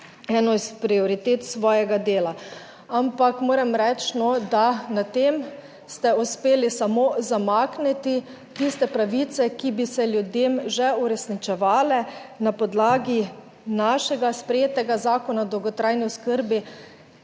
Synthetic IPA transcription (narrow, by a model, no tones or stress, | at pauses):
ɛːnɔispɾiɔɾit̪eːt̪sʋɔːjɛɡad̪eːla | ampakmoːɾɛmɾɛt͡ʃnɔd̪anat̪em | st̪ɛuspeːlisamoːzamaknit̪i | t̪ist̪ɛpɾaʋit̪sɛkibisɛljud̪emʒɛuɾɛsnit͡ʃɛʋaːlɛnapɔd̪laːɡi | naʃɛɡaspɾɛjeːt̪ɛɡazaːkɔnad̪ɔwɡɔt̪ɾajniʊskəɾbi